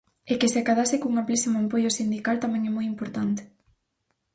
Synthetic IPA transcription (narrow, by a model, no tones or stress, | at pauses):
ekɪseakaðasɪkuŋamplisimoampojosind̪ikalt̪amɛ̃ŋɛmojimpoɾt̪ant̪e̥